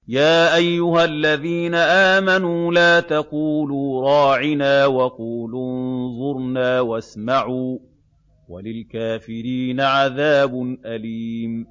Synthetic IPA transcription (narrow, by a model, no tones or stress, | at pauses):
jaːʔajːʊhalːaðiːnaʔaːmanuːlaːt̪ɑquːluːɾˤɑːʕɪnaːwɑquːlunnzˤʊɾnaːwasmaʕuː | walɪlkaːfɪɾiːnaʕaðaːbʊnʔaliːm